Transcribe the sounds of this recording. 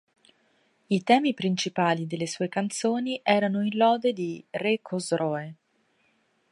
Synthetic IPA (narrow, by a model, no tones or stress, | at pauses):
it̪ɛːmipɾint͡ʃipaːlid̪elːesuːekant̪soːniʔɛːɾanoinlɔːd̪ed̪irekʰozɾɔːe